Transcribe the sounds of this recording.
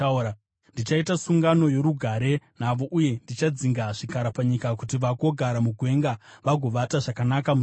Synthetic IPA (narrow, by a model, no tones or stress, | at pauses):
a | ndit͡ʃaitasuŋɡano̞je̞ɾuɡʱaɾe̞n̤aʋo̞ʔuje̞ndit͡ʃad͡ziŋɡaʐikaɾapaɲikakutiʋaɡo̞ɡʱaɾamuɡʱwe̞ŋɡaʋaɡʱo̞ʋataʐakanakamu